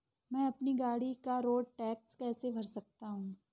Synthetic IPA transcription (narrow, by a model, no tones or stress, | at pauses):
mɛ̃ːɐpniɡaːɽikaɾoːɖ̚ʈɛːkskɛːsebʱɐɾsɐk̚t̪aɦũː